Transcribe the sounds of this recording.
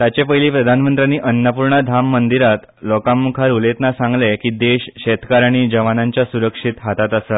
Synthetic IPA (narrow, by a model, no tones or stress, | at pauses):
t̪jat͡ɕepəjliːpɾəd̪ʱanmənt̪ɾjaniːʔənːəpuɾɳəd̪ʱamːənd̪iɾat̪ | lɔkamːukʰaɾulet̪nasãŋɡlekiːd̪eɕɕet̪ʰkaɾaɽ̃id͡ʑəʋanaɲt͡ɕjasuɾəkʂit̪ɦat̪at̪əsə